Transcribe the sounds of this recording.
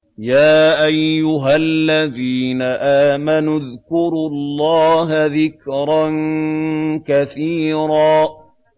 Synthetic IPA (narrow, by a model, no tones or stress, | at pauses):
jaːʔajːʊɦalːaðiːnaʔaːmanʊðkʊɾullːɑːɦaðɪkɾˤɑn | kaθiːɾaː